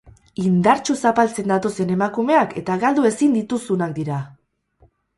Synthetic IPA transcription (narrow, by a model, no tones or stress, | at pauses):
ind̪aɾt͡ʃusapalt͡se̞nd̪at̪o̞se̞ne̞makume̞ake̞t̪aɣald̪ue̞sind̪it̪usunakd̪iɾa